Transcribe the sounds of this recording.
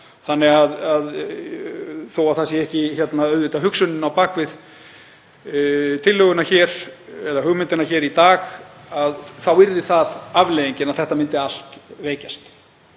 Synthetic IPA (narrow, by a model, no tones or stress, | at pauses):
θanːɛɣaðað | θowaðθasjɛɛhcɪçɛt̪naœðɪt̪aɦʏksʏnːɪnawpaːkvɪð | t̪ʰɪlːœɣʏnaçɛːɾ̥ɛðaɦʏɣmɪnt̪ɪnaçɛːɾit̪aːɣ | aðθawɪɾðɪθaðavleːjðiɲcɪnaðθɛht̪amɪnt̪ɪal̥t̪veːjcast̪